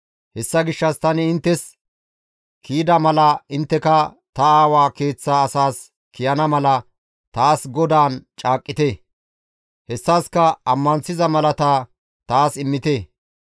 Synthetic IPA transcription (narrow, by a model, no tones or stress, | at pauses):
hɛsːɐɡɪʃːɐst̪ɐnɪːnt̪ːɛs | kʰiːd̪ɐmɐlɐɪnt̪ːɛkɐ | t̪ɐaːwaːke̞ːt͡sːaːsaːs | kɪjɐnɐmɐlɐ | t̪aːsɡɔd̪aːnt͡ʃʼaːkʼːɪt̪eː | hɛsːaːskɐɐmːɐnsɪzɐmɐlɐt̪aː | t̪aːsɪmːɪt̪eː